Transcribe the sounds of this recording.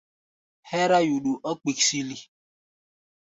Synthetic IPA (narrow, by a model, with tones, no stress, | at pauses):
hɛ˦ɾa˦ju˨ɗu˨ʔɔ˦k͡pi˨ksi˦li˦